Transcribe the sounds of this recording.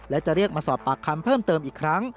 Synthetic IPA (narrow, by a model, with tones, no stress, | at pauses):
lɛ˦˥wt͡ɕa˨˩ʔɾi˥˩ək̚maː˧sɔː˨˩p̚t̪aː˨kʰːa˧mpʰɤː˥˩mt̪ɤː˧mʔiː˨˩kʰɾa˦˥ŋ